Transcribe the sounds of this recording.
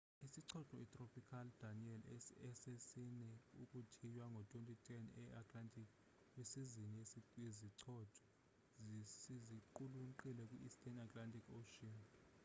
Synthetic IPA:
isiǀʰɔǁɔitʼropikʰaldaniɛlɛsesinɛukʼutʰijwaŋɡʱɔtʼwentʼitʰʼɛnɛatʼlantʼikʰ | wesiziniesieziǀʰɔtʰɔ̥ | isiziǃuluǃilɛk̬ʼwiʔistʰʼɛnatʼlantʼʰikʰoʃɔn

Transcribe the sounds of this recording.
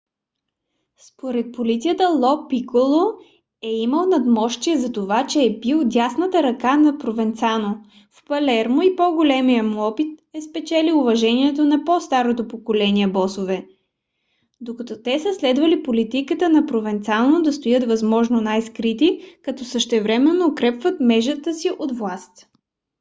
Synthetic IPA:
spoɾɛt̪̚polit̪sijət̪əlˠɔpikolˠo | ɛiməlˠnɐd̪mɔʃt̪iɛzɐt̪ovat͡ʃɛːpilˠd̪ʲasnət̪əɾɐkanɐpɾovɛnt̪sano | fpɐlɛɾmoipoɡolɛmijəmuɔpit̪̚ɛspɛt͡ʃɛliʊvɐʒɛniɛt̪onɐpɔst̪aɾot̪opokolɛniɛbɔsovɛ | d̪okɐt̪ɔt̪ɛsəslɛd̪vɐlipolit̪ikət̪ənɐpɾovɛnt̪sanod̪ɐst̪ojɤt̪vɐzmɔʒnonajskɾit̪ikɐt̪ɔsəʃt̪ɛvɾɛmɛnːoːkɾɛpvət̪mɛʒət̪əsiʔod̪vlˠast̪

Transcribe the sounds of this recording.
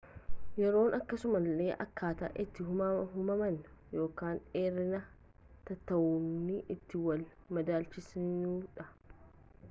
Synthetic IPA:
jɛɾo̞ːnʔɐkːɐsʊmɐlːe̞ːʔɐ̰kʰːaːt̪ɐ̰ʔɪt̪ːɪɦʊɦʊmɐmɐn | jo̞ːkaːnᶑe̞ːɾːɪnɐ | t̪ɐt̪ːɐwuːnɪʔɪt̪ːɪwɐl | mɐd̪aːlt͡ʃɪsuːᶑɐ

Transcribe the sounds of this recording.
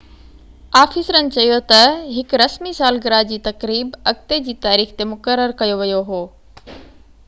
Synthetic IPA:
aːfiːsɾənɪ̆t͡ɕɐjot̪ɐɦɪkɾɐsmisaːlɡɪɾaːd͡ʑiːt̪ɐkɾiːbɐk̚t̪ed͡ʑiːt̪aːɾiːxt̪emʊkəɾːəɾkɐjoʋijoɦoː

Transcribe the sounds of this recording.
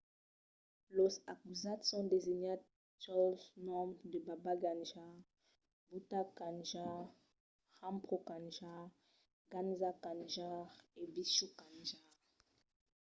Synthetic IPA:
losakuzat̪sɔ̃d̪eziɲat̚ | tɔznɔmd̪əbabaɡanʒaʁ | butakãnʒaʁ | ʁãmpχokãnʒa | ɡanzakãnʒaʁebiʃukãnʒaʁ

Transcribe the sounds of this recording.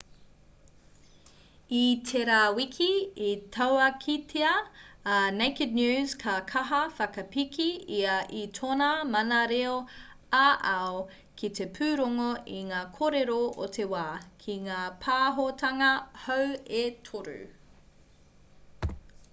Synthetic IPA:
itʰeɾaːwikʰiitʰɐwɐkʰitʰeɐ | nejked̚njʉːzkʰɐkʰɐɦɐfɐkɐpikʰiiɐʔitʰonɐmɐnɐɾeo | aʔao | kʰit̪ʰepʰʉːɾoŋoiŋaːkʰoɾeɾoo̰t̪ʰewaːkʰiŋaːpʰaːɦotʰɐŋɐhɐwetʰoɾʉ̰

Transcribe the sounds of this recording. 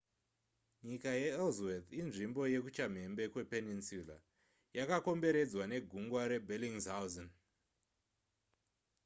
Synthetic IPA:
ɲikajeːlzwet̪inʐimbo̞je̞kut͡ʃam̤e̞mbe̞kwe̞peninsula̰ | jakako̞mbe̞ɾe̞d͡zwane̞ɡʱuŋɡwaɾe̞bʱeliŋzawzon

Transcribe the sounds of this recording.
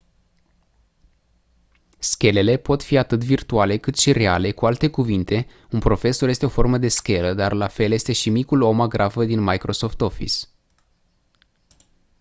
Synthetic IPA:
skʲe̞le̞le̞po̞t̪fiat̪ɨt̪virt̪uale̞kɨt̪ʃire̞a̰le̞kualt̪e̞kuvint̪e̞ | unpɾo̞fe̞so̞rje̞st̪e̞o̞fo̞rməd̪e̞skʲe̞ləd̪arlafe̞lje̞st̪e̞ʃimikulo̞maɡɾʔafəd̪inmajkɾo̞so̞ft̪o̞fḭs

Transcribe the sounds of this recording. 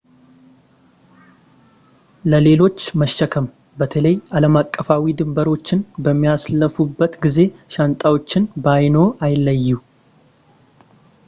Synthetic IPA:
ləle̞lo̞t͡ʃːməʃːəkʰəm | bət̪ʰələjaləmakʼːəfawid̪ɨmbəɾo̞t͡ʃːɪnbəmːijasləfubːət̪ɡize̞ʃant̪ʼawo̞t͡ʃːɪnbajno̞ʔajɪlːəjːu

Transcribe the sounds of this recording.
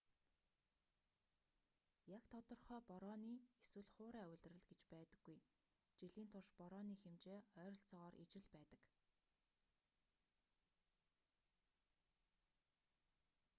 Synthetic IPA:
jakt̪ʰɔt̪ɞ̆rχœːpɔɾɔːniːeswɘ̆ɮχʊːɾæːʊɮt̪rə̆ɮɡet͡ɕpæːt̪ə̆ɡ̥ːuj | t͡ɕiɮiːnt̪ʰʊrʃpɔɾɔːniːxemt͡ɕeːœːɾɞ̆ɬt͡sɔʁɔːɾʔḭt͡ɕɪ̆ɮpæːt̪ə̆k

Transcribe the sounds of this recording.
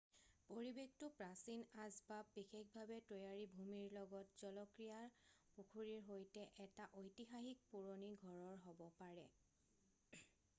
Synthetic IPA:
poɹibek̚tʊpɹasinazbabːikʰekbʱabɛtojaɹibʱumiɹlɔɡɔtz̥ɔlɔkɹijaɹpukʰuɹiɹɦojtɛʔɛtaʔojtixaxik̚puɹoniɡʱɔɹɔɹɦɔbɔpaɹɛ

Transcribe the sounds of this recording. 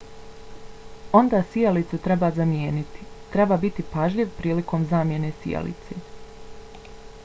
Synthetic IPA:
o̞nd̪aːsijalit̪sut̪ɾebazamje̞ːnit̪i̥t̪ɾe̞baːbit̪ipaʒʎiʋpɾiːliko̞mzaːmje̞ne̞sḭja̰lḭt̪sḛ

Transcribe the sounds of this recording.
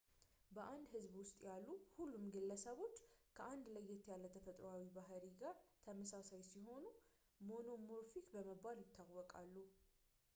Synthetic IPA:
bəʔand̪hɨzbwʊst̪ʼjalːuhulːumɡɨlːəsəβo̞t͡ʃːkʰəʔand̪ləjːɛt̪ʰːijalːət̪ʰəfət̪ʼɾoawibaɦɾiɡaɾt̪ʰəməsasajsiho̞nu | mo̞no̞moɾfikbəməbaljɪt̪ʰːawːɔkʼalːu

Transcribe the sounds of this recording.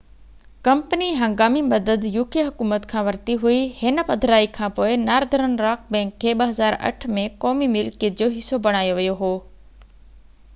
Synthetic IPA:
kɐmpəniɦɐ̃ŋɡaːmimɐd̪əd̪juːkiɦɐkuːmət̪kʰãːʋɐɾt̪iɦuihɪnə̆pɐd̪ʱɾaːikʰãːpoːɪnaːɾd̪ʱəɾənɾaːk̚bɛ̃ːŋkʰːeːɓɐɦɐzaːɾɐ̰ʈʰmẽkɔːmimɪlkɪd͡ʑoːɦɪsːobɐɽ̃aːjoʋijoɦoː

